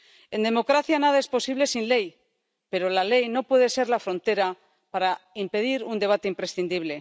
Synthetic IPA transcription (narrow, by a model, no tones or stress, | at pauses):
e̞nd̪e̞mo̞kɾaθjanaðae̞spo̞siβle̞sinle̞j | pe̞ɾo̞lale̞jno̞pwe̞ðe̞se̞ɾlafɾo̞nt̪e̞ɾa | paɾaimpe̞ðiɾund̪e̞β̞at̪e̞impɾe̞sθind̪iβ̞le̞